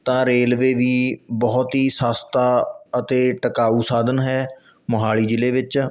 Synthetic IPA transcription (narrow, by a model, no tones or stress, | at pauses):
t̪ãːɾeːlʋeːʋiːbɔːt̪ɦiːsaːst̪aːət̪eːʈəkaːuːsaːd̪ənɦɛː | məɦaːɭiːd͡ʒɪleːʋɪt͡ʃ